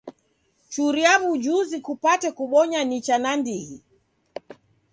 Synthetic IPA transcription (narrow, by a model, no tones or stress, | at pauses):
t͡ʃuɾiaβud͡ʒuzikupatɛkuɓɔɲanit͡ʃanandihi